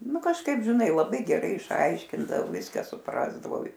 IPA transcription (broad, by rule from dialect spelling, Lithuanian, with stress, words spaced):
ˈnʊ kɐʃˈkɐɪp ʒʲɪˈnɐɪ lˠɐˈbɐɪ ɡʲɛˈrɐɪ ɪʃˈɐɪʃʲkʲɪndɐw ˈʋʲɪskɑː sʊˈprɑːzdɐʋɐʊ